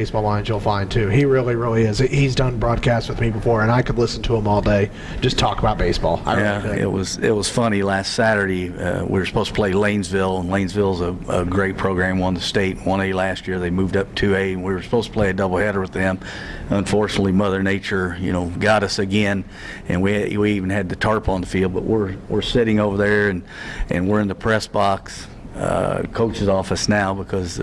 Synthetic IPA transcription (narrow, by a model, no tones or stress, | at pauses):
eɪsb̥ɔlˠlãɪ̃nzjəl̩ˠfãɪ̃ntʰʉiɹɪlˠiɹɪlˠiɪz̥ihizdʌ̃nbɹɔd̚kʰæst̚wɨðmibəfɔɹɨ̃naɪkədˡlɪsn̩tʰəə̃mɔlˠdeɪ̥ | d͡ʒ̥ʌstʰɔkəbaʊt̚b̥eɪsb̥ɔ̰lˠa̰ɪæɪ̰t̚wʌz̥ɪ̰t̚wʌz̥fʌnilæstsæɾə˞ɾeɪʌ̰wḭə˞sə̥pʰoʊz̥stʰəpʰl̥eɪlẽɪ̃nzvɪlˠlẽɪ̃nzvɪlˠzəə̰ɡɹeɪt̚pʰɹ̥oʊɡɹæ̃mə̃nðəsteɪt̚wʌ̃ñeɪlæst̚jɪɹðeɪmuvdʌp̚tʰʉeɪnwiə˞sə̥pʰoʊz̥tʰəpʰl̥eɪɨdʌbl̩ˠhɛɾə˞wɨðɨ̃m | ə̃ɱfɔɹt͡ʃɨnətˡlimʌðə˞neɪt͡ʃə˞jɨnoʊɡɑɾʌsɨɡɛ̃n | ɨ̰̃nwiwiivn̩ɨd̪̚ðɨtʰɑɹpn̩ðəfilˠd̚bʌ̰ʔwɪɹwɪɹsɪɾɪ̃ŋoʊvə˞ðə˞ɨ̃n | ʔɨ̰̃nwɪɹɨ̃nðəpʰɹ̥ɛsb̥ɑks | ʌ̰kʰoʊt͡ʃɨzɔfɨsnaʊbəkʰʌz